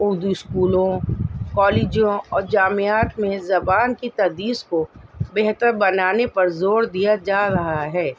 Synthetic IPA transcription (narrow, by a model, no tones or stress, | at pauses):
ʊɾd̪uɪskuːlõkɔːleːd͡ʒijõɔːɾd͡ʒaːmeaːt̪mẽzɐbaːnkit̪ɐd̪iːskobɛɦt̪əɾbɐnaːnepɐɾzoːɾd̪ijad͡ʒaːɾɐɦaaɦɛː